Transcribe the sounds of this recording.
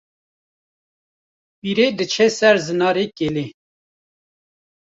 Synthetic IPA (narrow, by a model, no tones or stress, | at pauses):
piɾeːd̪ət͡ʃʰɛsɛɾzɨnɑːɾekeːleː